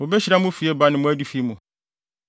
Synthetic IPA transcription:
ʊ˨bɛ˦ɕi˦ɾa˦mʊ̃˦fi˨˦ɛ˦ba˦nɪ̃˦mʊ̃˦æ˦di˨fi˨˦mũ˨

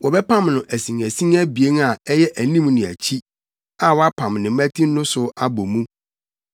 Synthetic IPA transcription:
wɔ˨bɛ˦pʰã˦mnʊ̃˨ʔæ˨sĩ˨ŋæ˨sĩ˦ŋæ˦bi˨e˦n˦a˨ɛ˦jɛ˦ʔæ˨nĩ˦mnɪ̃˨æ̰˨t͡ɕʰi˦ | a˦wɔ˦a˦pʰã˨mnɪ̃˨˦mæ̃˦tʰi˦n˦nʊ̃˦sʊ˨a˦bo˨mũ˦

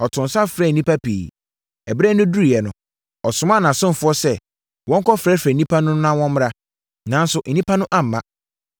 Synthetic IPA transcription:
ɔ˨tʰʊ̃˨n˨sa˦fɾɛ˦˨nĩ˦pa˦pʰḭː˨ | ɛ˨bɾɛ˦nʊ̃˦du˦ɾi˨ɛ˨nʊ̃˨ | ɔ˨sʊ˨mã˦˨nã˨sʊ̃˦m˨fʊ˦ɔ˦sɛ˦ | wɔ̃˦ŋ˦kʰɔ˦fɾɛ˦fɾɛ˨nĩ˦pʰa˦nʊ̃˦nã˦wɔ̃˦mm˦ɾa˦ | nã˨˦n̩˦sʊ˨ʔ̩˨nĩ˦pʰa˦nʊ̃˦ʔã˦m̩˨mã˦

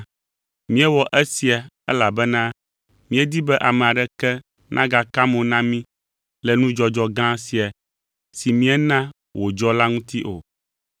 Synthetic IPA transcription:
mĩ˦ɛ˦wɔ˨ʔɛ˦si˨a˨ | ɛ̰˦la˨bɛ˦nã˦ | mĩ˦ɛ˦d̪i˦bɛ˦ʔa˨mɛ̃˨a˨ɖɛ˦kɛ˦ | nʔã˦ɡa˨ka˦mõ˨nã˦mĩ˦ | lɛ˨nũ˦d͡ʒɔ˦d͡ʒɔ˦ɡã˦si˨a˨ | si˨mĩ˦ɛ˦nã˦ | wʔo˨d͡ʒɔ˦la˦ŋũ˦t̪i˦ʔo˨

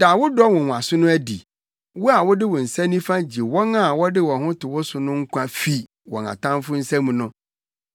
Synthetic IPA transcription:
d̥a˨wʊ˦dɔ˦wʊ̃˨a˨sʊ˦nʊ̃˦æ˦dḭ˨ | wʊ˦a˨wʊ˦dɪ˦wʊ̃˨n̩˨sɛ̃˦nĩ˦fã˦d͡ʑi˨wɔ̃˦ŋã˨wɔ˦dɪ˦wɔ̃˨hʊ̃˦tʰɪ˨wʊ˦sʊ˨nʊ̃˦ŋ̩˦kʷʰã˦fi˨ | wɔ̰˨ŋã̰˨tʰã˦mfʊ˦n̩˦sɛ̃˦mũ˨nʊ̃˦

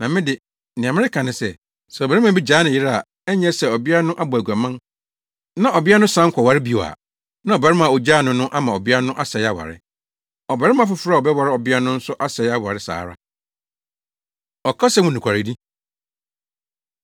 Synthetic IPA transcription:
nã˨mɪ̃˦dɪ˨ | nɪ̃˨ã˨mɪ̃˦ɪ˦kʰã˨nɪ̃˨sɛ˨ | sɛ˨bɾɪ˦ã˦bi˦d͡ʑaː˨˦nɪ̃˨jɪ˦ɾa˦a˨ | ɛ˦ɲɛ˦sɛ˨ɔ˨bi˦a˦a˦nʊ̃˦ʔa˦bʊ˨æ˨ɡu˨a˨mã˦n | nã˦ʔɔ˨bɪ˦a˦nʊ̃˦sã˦ŋ̩˦kʰɔ˨wa˨ɾɪ˦bi˨o˨a̰˨ | nã˦ɔ˨ba˨ɾɪ˦mã˨o˨d͡ʑaː˦˨nʊ̃˦nʊ̃˦ʔa˦mã˨ɔ˨bɪ˦a˦a˦nʊ̃˦ʔa˦sɛ˨ɪ˦a˦wa̰˨ɾɪ̰˦ | ɔ˨ba˨ɾɪ˦mã˨˦fʊ˨˦fɾa˦˨ɔ˨bɛ˦wa˨ɾɪ˦ɔ˨bɪ˦a˦nʊ̃˦n̩˦sʊ˦ʔa˦sɛ˨ɪ˦a˦wa̰˨ɾɪ˦sa̰ː˨ɾa̰˦ | ɔ˨kʰa˦sɛ˦wʊ̃˦nĩ˨kʰa˨ɾɪ˨di˦

